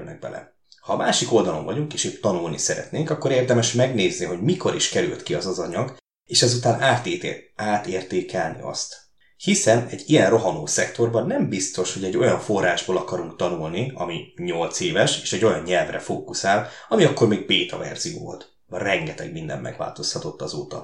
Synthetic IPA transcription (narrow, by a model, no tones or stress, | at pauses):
nɛ̰ɡ̚bɛ̰lɛ̰ | hɒːmaːʃiko̞ld̪ɒlo̞̰ɱvɒɟuŋkeːʃeːt̪ːɒnulnisɛɾɛ̰t̪neːŋkɒkːo̞ɾeːrd̪ɛmɛʃmɛɡneːzniɦo̞ɟmiko̞ɾiʃkɛɾylt̪kiɒzɒzɒɲɒɡ | eːʃɛzut̪aːnaːt̪ːaːt̪eːrt̪eːkɛlnḭɒ̰st̪ | hisɛnɛɟːijɛnro̞ɦɒnoːsɛkt̪o̞rbɒnːɛmbist̪o̞ʃho̞ɟɛɟːo̞jɒɱfo̞rːaːʒboːlɒkɒɾuŋkt̪ɒnulniɒ̰miɲo̞lt̪seːvɛʃeːʃɛɟːo̞jɒɲɲɛlvrɛfoːkusaːl | ɒmiɒkːo̞rmeːɡ̚beːt̪ɒ̰vɛ̰rz̥ijo̰ːvo̰lt̪ | rɛŋɡɛt̪ɛɡ̚mind̪ɛ̰mːʔɛ̰ɡva̰ːlt̪o̞shɒt̪o̞t̪ːɒzo̰ːt̪ɒ̰